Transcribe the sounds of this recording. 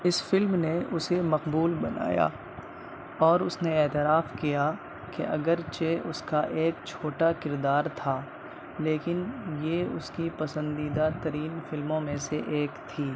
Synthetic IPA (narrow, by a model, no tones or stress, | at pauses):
ɪsfɪlmneʔʊsemɐqbuːlbɐna̰ːja̰ː | ɔːɾʊsneɛːt̪ɪɾaːfkija | kḛʔɐ̰ɡəɾt͡ʃeʔʊskaʔeːkt͡ʃʰoːʈakɪɾd̪aːɾt̪ʰaː | leːkɪnjeʊ̰skipɐsə̃nd̪iːd̪at̪ɐɾiːnfɪlmõmẽseʔeːkt̪ʰiː